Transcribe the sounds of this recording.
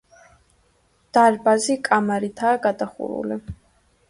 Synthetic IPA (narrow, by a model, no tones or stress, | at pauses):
d̪̥aɾbazikʼamaɾit̪ʰaːɡad̪aχṵɾṵli